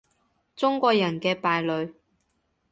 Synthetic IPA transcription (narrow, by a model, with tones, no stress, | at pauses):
t͡sʊ˥ŋkʷɔː˧k̚jɐ˨˩nkɛː˧paː˨jlɵ˨˧ɥ